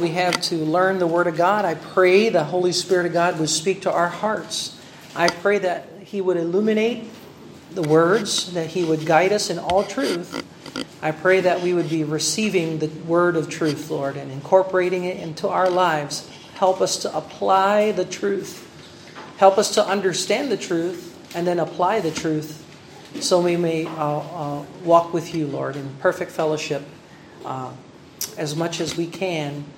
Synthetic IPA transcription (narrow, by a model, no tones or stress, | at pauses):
wiɨv̥tʰɨlɜ̃˞nðəwɜ˞ɾʌvɡɑɾaɪpʰɹ̥eɪðəɦoʊlˠispɪɹɨɾʌvɡɑd̚wəd̥spik̚tʰəʔaʊə˞hɑɹts | ʔaɪpʰɹ̥eɪðɨt̚ | hiwəɾɨlumɨneɪt̪̚ | ðəwɜ˞dzðɨt̚hiwəd̚ɡaɪɾʌsɨ̃nɔlˠtʰɹ̥ʉθ | aɪpʰɹ̥eɪðɨt̚wiwəd̚biɹɨsivɪ̃ŋðɨwɜ˞ɾʌv̥tʰɹ̥ʉθlɔɹɾɨ̃nɨ̃nkʰɔɹpə˞eɪɾɪ̃ŋɪɾɪ̰̃ntʰua̰ʊə˞laɪvz̥ | hɛlˠpʌstʰəʔəpʰl̥aɪðɨtʰɹ̥ʉθ | hɛlˠpʌstʰəʔʌ̃ndə˞stæ̃nðɨtʰɹ̥ʉθ | ɨ̃nðɨ̃nəpʰl̥aɪðɨtʰɹ̥ʉθ | soʊwimeɪ | wɔkwɨðjɨlɔɹɾɨ̃npʰɜ˞fɨk̚tfɛlˠoʊʃɪp̚ | ɨzmʌt͡ʃɨzwikʰɨ̃n